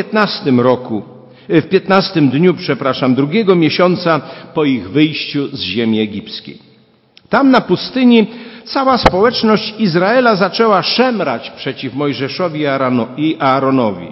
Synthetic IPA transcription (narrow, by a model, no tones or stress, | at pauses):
ɛt̪nast̪ɘmɾɔku | fpʲjɛt̪nast̪ɘmd̪ɲupʂɛpɾaʂamd̪ɾuɡʲɛɡɔmʲjeɕɔnt̪sapɔiɣvɘjɕt͡ɕuzʑemʲiɛɡʲipt̪skʲḛj | t̪amnapust̪ɘɲit̪sawaspɔwɛt͡ʂnɔɕt͡ɕizɾaɛlazat͡ʂɛwaʂɛmɾat͡ɕpʂɛt͡ɕifmɔjʐɛʂɔvʲiiʔaːɾɔnɔvʲḭ